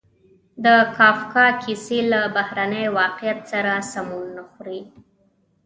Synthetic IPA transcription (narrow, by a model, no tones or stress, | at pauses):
d̪əkɑfkɑkʰiselabahɾanəjwɑqjat̪saɾasamulnaxɾi